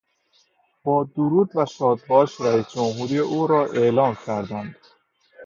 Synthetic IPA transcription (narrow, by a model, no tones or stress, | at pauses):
b̥ɒːd̪oɾuːd̪væʃɒːd̪̚bɒːʃɾæiːsd͡ʒomɦuːɾiːeʔuːɾɒːʔe̞lɒːmcʰæɾd̪ænd̪̥